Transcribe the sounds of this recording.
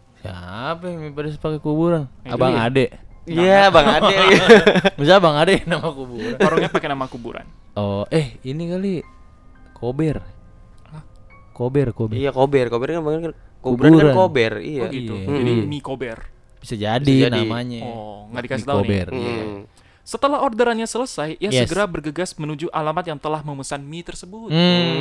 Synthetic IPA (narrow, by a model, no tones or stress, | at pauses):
sapɛmipadis̬əpakɛkubuɾanabaŋadɛiabaŋadɛ | məsiabaŋadɛnamakubuɾanaɾɔɲapakɛnamakubṵɾa̰nɔʔɛhinikali | kʰobɛr | a | kobɛrkobijakobɛrkobɛɾkanbaknkankuuubɾaukaɾnakobɛrḭjaɡij̪uad͡ʒadimikobɛr | b̥isad͡ʒadid͡ʒanamaɲaɔŋɡaʔdikasi̥t̪aobɛria̰ | sət̪əlaɦordaɾanɲasələsajjajsəsɡəɾabərɡəɡasmənud͡ʒuʔalamat̪jaŋt̪əlahməməsanmit̪ərsəbutm̩